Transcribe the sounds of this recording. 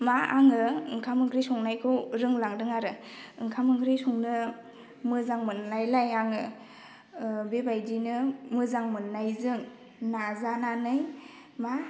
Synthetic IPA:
maaŋɯɯŋkʰamɯŋkʰɾisɔŋnajkʰɯwɾɯŋlaŋdɯŋaɾɯɯŋkʰamɯŋkʰɾisɔŋnɯ | mɯzaŋmɯnːajlajaŋɯ | bebajdinɯmɯzaŋmɯnːajzɯŋ | nazananɯj | ma

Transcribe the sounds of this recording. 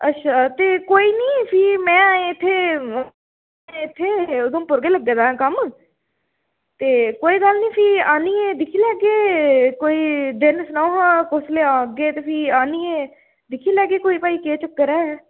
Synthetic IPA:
ətːʃʰaːt̪eːkoːiːnĩːpʰiːmɛ̃ːɪt̪ʰːeː | ɪt̪ʰːeːʊd̪õːpʊɾɡeːləɡeːd̪ãkəm | t̪eːkoːiːɡəlnĩːpʰiːaːniːed̪ɪkʰiːlɛːɡeːkoːiːd̪ɪnsənaoːɦãːkʊsleːãːɡeːt̪eːpʰɪːaːniːeː | d̪ɪkʰiːlɛːɡeːkoːiːpaːiːkeːt͡ʃəkːəɾɛː

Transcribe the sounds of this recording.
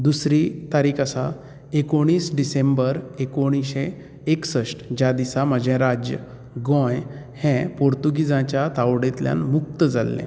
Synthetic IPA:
d̪usɾit̪aɾikasa | ekoɽ̃iːsɖisẽmbəɾekoɽ̃iɕẽ | eksəʂʈd͡ʑad̪isaməd͡ʑɛ̃ɾad͡ʑjə | ɡɔ̃j | hɛ̃poɾt̪uɡid͡zãt͡ɕjat̪awɽẽt̪lja̰nmuk̚t̪əd͡zalːḛ̃

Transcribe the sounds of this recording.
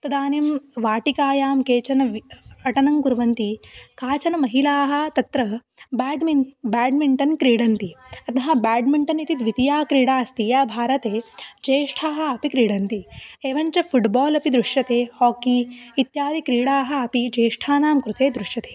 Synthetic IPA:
t̪ɐd̪aːnimʋaːʈikaːjaːmkeːt͡ʃɐnɐɐʈɐnɐŋkuɾʋɐnt̪ikaːt͡ʃɐnɐmɐɦilaːɦɐ̆t̪ɐt̪ɾɐ | bɖbaːɖmiɳʈɐnkɾiːɽɐnt̪iɐt̪ɐɦɐbaːɖmiɳʈɐnit̪it̪ʋit̪ijaːkɾiːɽaːst̪ijaːbʱaːɾɐt̪eːd͡ʒeːʂʈʰaːɦɐ̆ɐpikɾiːɽɐnt̪ieːʋɐɲt͡ʃɐfʰuʈbɔːlɐpid̪ɾuʂjɐt̪eːhɔːkiːt̪jaːd̪ikɾiːɽaːɦɐ̆ɐpid͡ʒeːʂʈʰaːnaːmkɾut̪eːd̪ɾuʂjɐt̪e̥ː

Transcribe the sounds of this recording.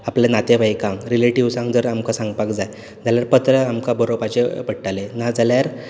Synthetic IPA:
aplenat̪eʋajkãŋɾileʈiʋwsãŋɡd͡z̪əɾamkasãŋɡpakd͡zaj | d͡zaljaɾpət̪ɾəamkabəɾopat͡ɕepəɽʈalenad͡zaljaɾ

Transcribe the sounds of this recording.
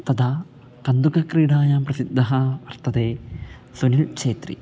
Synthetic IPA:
t̪ɐd̪aː | kɐnd̪ukɐkɾiːɽaːjaːmprɐsid̪ʱːɐɦɐʋɐrt̪ɐd̪eː | sunilt͡ʃeːt̪rḭ

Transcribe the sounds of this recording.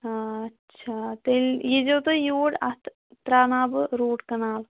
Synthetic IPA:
aːɐtːt͡ʃʰat̪elʲiːd͡ʒoːt̪ɨjuːɽɐt̪ʰ | t̪ɾaːnaːbɨɾuːʈkɐnaːl

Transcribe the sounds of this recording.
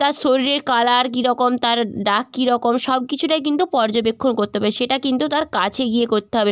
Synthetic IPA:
t̪aɾʃoɾiɾeɾkalaɾk̬iɾɔkomt̪aɾɖakkːiɾɔkomʃɔb̚kit͡ɕʰuʈajk̬int̪upɔɾd͡ʑobekʰːonkoɾt̪eɦɔbeʃeʈakint̪ut̪aɾkat͡ɕʰeɡiekoɾt̪eɦɔbe

